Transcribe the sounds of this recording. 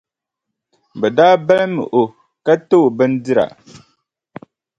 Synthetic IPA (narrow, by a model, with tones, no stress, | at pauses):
bɛ˨daː˦ba˦lmɨ̰˨ʔo˨ | ka˦to˦˨bɨ˦n˦dɨ˦ɾa̰˨